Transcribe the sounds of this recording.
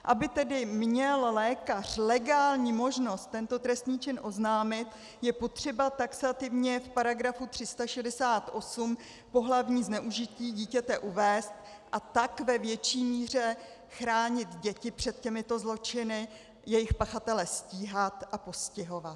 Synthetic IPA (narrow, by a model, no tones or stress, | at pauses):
ʔabɪt̪ɛdɪmɲɛllɛːkar̝̥lɛɡaːlɲiːmo̞ʒno̞st̪ːɛnt̪o̞t̪ɾɛst̪ɲiːt͡ʃɪnʔo̞znaːmɪt̪ | jɛpo̞t̪r̝̥ɛbat̪aksat̪ɪvɲɛfpaɾaɡɾafut̪r̝̥ɪst̪aʃɛdɛsaːt̪ʔo̞sum | po̞ɦlavɲiːznɛʔuʒɪciːɟiːcɛt̪ɛʔuvɛːst̪ʔat̪akvɛvjɛt͡ʃiːmiːr̝ɛ | xɾaːɲɪt̪ɟɛcɪpr̥ɛt̪cɛmɪt̪o̞zlo̞t͡ʃɪnɪ | jɛjɪxpaxat̪ɛlɛsciːɦat̪ʔapo̞scɪɦo̞vat̪̚